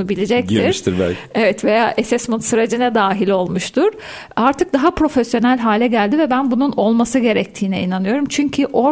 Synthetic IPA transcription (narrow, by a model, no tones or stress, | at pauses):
ubilʲid͡ʒɛct̪iɾʃt̪iɾbɛ̰evɛt̪vejaːʔesɛsmunsɯɾed͡ʒinɛd̪aːɦilʲo̞lˠmuʃt̪ʰuɾ̥ | aɾt̪ʰɯk̚d̪aɦapɾo̞fesjo̞nælʲɦaːlʲɛɟælʲd̪ivɛbænbununo̞lˠmasɯɟe̞ɾɛc̚t̪ʰiːnɛinanɯjo̞ɾumt͡ʃʰyɲcʰiʔo̞